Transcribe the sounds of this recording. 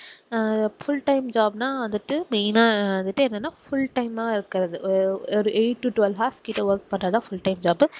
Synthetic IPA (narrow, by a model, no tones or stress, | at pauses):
fʊlʈɐɪmd͡ʒaːbnaːɐðɯʈːɯmeːnaːɐðɯʈːɯɛnːɛnːaːfʊlʈɐɪmaːɐɪɾɯkːɪɾɐðɯɔɾɯʔeɪʈːuʈʊʋɛlɦaːskiːʈːɐʋɐɾk̚pɐɳːɾɐðãːfʊlʈɐɪmd͡ʒaːbɯ